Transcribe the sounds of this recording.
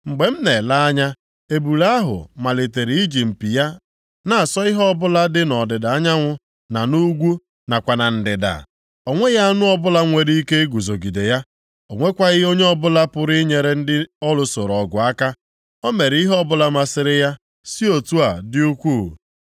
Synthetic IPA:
ŋ͡m̩˨ɡ͡be˨m̩˦ne˨la˦a˦ɲa˦ | e˨bu˨la˦ɦʊ̰˨ma˨le˨te˨ɾi˨i˦d͡ʒi˨m̩˨pi˨ja˦ | na˨a˨sɔ˦ɪ˦ɦɔ˦bʊ˦la˦dɪ˦nɔ˨dɪ˨da˨a˦ɲa˦ŋʷʊ˦ | na˨nu˦ɡʷu˦ | na˨kʷa˨na˨n̩˨dɪ˨da̰˨ | o˨ŋʷe˦ɣa˦a˦nʊ˦ɔ˦bʊ˦la˦ŋʷe˨ɾi˦i˦ke˦ɡu˨zo˨ɡi˨de˨ja˦ | o˨ŋʷe˦kʷa˦ɣɪ˦o˦ɲe˦ɔ˦bʊ˦la˦pʊ˦ɾi˦ɲe˨ɾe˦n̩˦dɪ˦ɔ˦lʊ˦so˨ɾɔ˨ɡʷʊ˨a˦ka˦ | o˦me˨ɾi˦ɦɔ˦bʊ˦la˦ma˦sɪ˦ɾɪ˦ja˦ | si˦o˨tu˦a˨dɪ˦u˦kʷu˦˨

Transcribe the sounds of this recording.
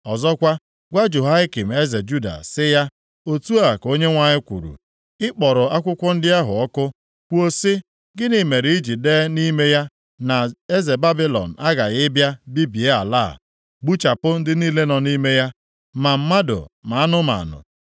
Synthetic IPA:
ɔ˨zɔ˦kʷa˦ | ɡʷa˦d͡ʒo˨ɦa˦ɪ˦ki˨m̩˨e˦ze˨d͡ʒu˦da̰˨sɪ˦ja˦ | o˦tu˦a˨ko˦ɲe˦ŋʷa˦ɲɪ˦kʷṵ˨ɾṵ˨ | ɪ˦k͡pɔ˨ɾʊ˨a˦kʷʊ˦kʷʊ˦n̩˦dɪ˦a˦ɦʊ̰˨ɔ˦kʊ˦ | kʷo˦sɪ˦ | ɡɪ˦nɪ˨me˨ɾi˨i˦d͡ʒi˨de˦ni˦me˦ja˦ | na˨e˦ze˨ba˦bi˦lɔ̰˨n̩˨a˦ɡa˨ɣɪ˦bja˦bi˦bi˨e˦a̰˨la̰ː˦˨ | ɡ͡bu˦t͡ʃa˨pʊ˦n̩˦dɪ˦niː˦le˦nɔ˨ni˦me˦ja˦ | ma˨m̩˦ma˦dʊ̰˨ma˨a˦nʊ˦ma̰˨nʊ̰˨

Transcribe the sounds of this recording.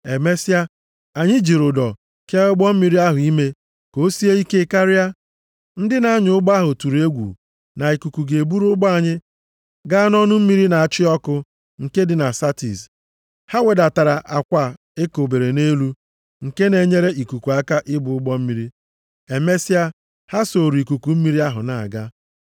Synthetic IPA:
e˨me˦si˦a˦ | a˨ɲɪ˦d͡ʒi˨ɾʊ˨dɔ˨ | ke˦ʊ˦ɡ͡bɔ˦m̩˦mi˦ɾi˦a˦ɦʊ˨i˦me˦ | ko˦si˦e˦i˦ke˦ka˦ɾɪ˦a˦ | n̩˦dɪ˦na˦ɲʊ˦ɡ͡ba˦ɦʊ˨tu˨ɾe˦ɡʷṵ˨ | na˨i˨ku˨ku˨ɡe˨e˨bu˦ɾʊ˦ɡ͡bɔ˦a˦˨ɲɪ˦ | ɡa˦nɔ˦nʊ˦m̩˦mi˦ɾi˦na˨a˨t͡ʃɪ˦ɔ˦kʊ˦ | ŋ̩˨ke˦dɪ˨na˨sa˦tḭ˨s | ha˦we˨da˨ta˨ɾa˨ʔa˨kʷa˨ | e˦ko˨be˨ɾe˨ne˦lu˦ | ŋ̩˨ke˦ne˨ɲe˦ɾe˦ʔi˨ku˨ku˨a˦ka˦ʔɪ˦bʊ˨ʊ˦ɡ͡bɔ˦m̩˦mi˦ɾi˦ | e˨me˦si˦a˦ | ha˦so˨ɾu˨i˨ku˨ku˨m̩˦mi˦ɾi˦a˦ɦʊ̰˨na̰˨a̰˨ɡa˦

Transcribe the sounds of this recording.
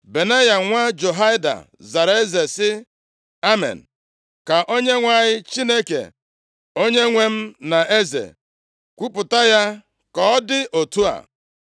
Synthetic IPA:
be˨ne˦ja˨ŋʷa˦d͡ʒo˨ɦa˦ɪ˦da̰˨ | za˨ɾe˦ze˨sɪ˦ | a˦mḛ˨n̩˨ | ka˨ʔo˦ɲe˦ŋʷa˦˨ɲɪ˦t͡ʃi˦ne˦kḛ˨ | o˦ɲe˦ŋʷe˦m̩˦na˨ʔe˦zḛ˨ | kʷu˦pʊ˨ta˦ja˦ | kɔ˨ɔ˦dɪ˦ʔo˨tu˦a̰˨

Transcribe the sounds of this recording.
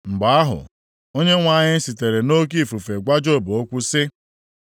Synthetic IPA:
ŋ͡m̩˨ɡ͡ba˨a˦ɦʊ̰˨ | o˦ɲe˦ŋʷa˦˨ɲɪ˦n̩˦si˨te˨ɾe˨no˦k̬i˦˨fu˨fe˨ɡʷa˦d͡ʒo˦˨bo˦kʷu˦sɪ˦

